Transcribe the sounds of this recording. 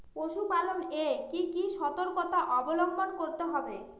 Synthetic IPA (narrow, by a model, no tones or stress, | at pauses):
poʃupalonekikiʃɔt̪oɾkot̪aʔɔbolombʱonkoɾt̪eɦɔbe